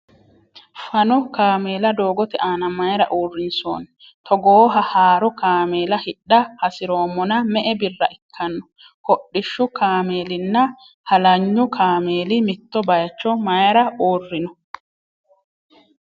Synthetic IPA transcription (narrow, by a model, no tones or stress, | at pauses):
fɐnɔkaːmeːlɐd̪oːɡɔt̪ɪʔaːnɐmɐjɐɾɐʔoːrːɪnso̰ːn | t̪ɔɡoːɦɐhaːɾɔkaːmeːlɐhɪɗːɐhɐsɪɾo̞ːmːɔnɐmɛʔɛbɪrːɐʔɪkʰːɐnːɔ̥ | kɔɗːɪʃːʊkaːmeːlɪnːɐ | hɐlɐɲːʊkʰaːmeːlɪmɪt̪ːɔbɐjɐt͡ʃːɔmɐjɐɾɐoːrːɪnɔ